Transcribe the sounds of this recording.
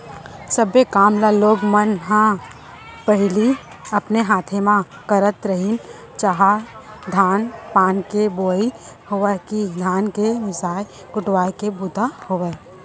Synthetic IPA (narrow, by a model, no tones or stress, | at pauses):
səbekaːmlaloːɡmənɦã | pəɦɪli | ɐpneɦaːt̪ʰemã | kəɾət̪ɾəɦin | t͡ʃaɦad̪ʱaːnpaːnkeboːihoʋakid̪ʱaːnkemɪsaːj | kʊʈwaːjkebʊt̪ahoːʋɛː